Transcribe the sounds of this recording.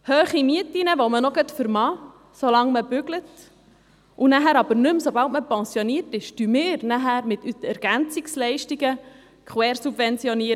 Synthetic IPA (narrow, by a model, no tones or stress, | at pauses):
høːχimiətinəʋomənoɡətfəɾmɑː | solɑŋməb̥ʏɡlət | ʔunæɦæːɾɑbəɾnʉmsobɑltməpɛnsjoniətɪʃd̥ymɪːɾnæɦæːɾmɪt̪ytɛɾɡ̥ænt͡sikslɛɪʃtiɡə | kχwɛːɾsub̥vɛnt͡sjɔniəɾ